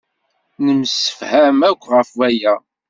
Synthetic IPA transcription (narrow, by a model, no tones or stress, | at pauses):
nəmsə̥fhæmækʷːʁəfwæjæ